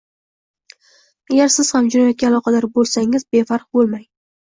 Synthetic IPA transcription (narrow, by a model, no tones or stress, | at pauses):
aɡʲaɾsɪz̥hamd͡ʒʊnajɒt̪̚kʲaːlˠɒqʰɑd̪aɾbolˠsaŋɪzbe̞faɾq̚bolˠmaj